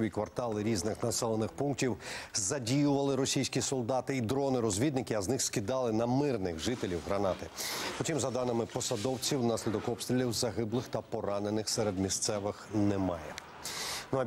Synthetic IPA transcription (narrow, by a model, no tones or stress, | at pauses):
ʋʲikʋɐrt̪ɑlˠɪɾʲiznɪxnɐsɛlˠenɪxpunk̚tʲiwzɐdʲijʊʋɐlˠɪɾɔsʲijsʲkʲisɔlˠd̪ɑt̪ɪid̪ɾɔnɪɾɔzʲʋʲid̪nɪkɪɐznɪxskʲid̪ɑlˠɪnɐmɪrnɪɣʒɪt̪elʲiwɦɾɐnɑt̪ɪpɔtʲimzɐd̪ɑnɪmɪpɔsɐd̪ɔwt͡sʲiwnɑsʲlʲid̪ɔkɔpst̪ʲɾʲilʲiwzɐɦɪblˠɪxt̪ɐpɔɾɑnenɪxsɛɾed̪mʲist̪sɛʋɪxnɛmɑjɛ | nuɐ